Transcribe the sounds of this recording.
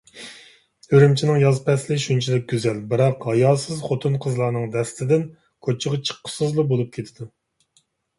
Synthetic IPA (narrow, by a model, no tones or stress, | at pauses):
øɾymt͡ʃʰinɪŋjɑzpʰɛslɪʃunt͡ʃʰilɪk̚ʲɡʲyzɛlbɨɾɑqhɑjɑːsɨzχot̪ʰɨnqʰəzlˠɑːnɨŋd̪ɛst̪ʰɪd̪ɪn | kʰot͡ʃʰɨʁɑt͡ʃʰə̥qʰːə̥sɨzlˠʊbolˠup̚kʲʰet̪ʰɪd̪u